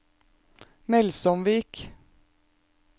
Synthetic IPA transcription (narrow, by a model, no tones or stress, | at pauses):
mɛlsɔmʋiːk